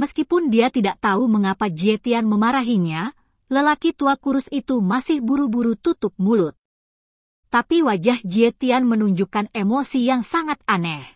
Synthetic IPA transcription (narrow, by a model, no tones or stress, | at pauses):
məskipʊndiat̪idaʔt̪auməŋapad͡ʒiet̪ianməmaɾaɦiɲa | ləlakit̪uakuɾʊsit̪umasɪhbuɾubuɾut̪ut̪ʊp̚mulʊt̪̚ː | apiwad͡ʒahd͡ʒiɛt̪ianmənuɲd͡ʒukanemosijaŋsaŋat̪̚anɛh